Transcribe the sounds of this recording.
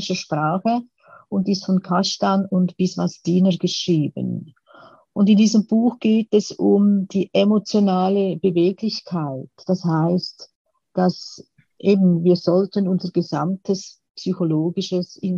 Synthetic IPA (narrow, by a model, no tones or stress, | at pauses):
ɪʃəʃpʁaːχə | ʊndɪstfɔnkʰaʃtanʊntb̥ɪsvasd̥iːnəɡ̥əʃʁiːbə̰n | ʔʊndɪndiːzəmbuːxɡ̥eːtɛsʊmd̥iːʔemot͡sjonaːləb̥əveːɡlɪçkʰaɪtd̥ashaɪst | d̥as | ʔeːbn̩viːɐzɔltənʊnzəɾɡ̥əza̰mtʰəs | psyçoloːɡɪʃəsɪn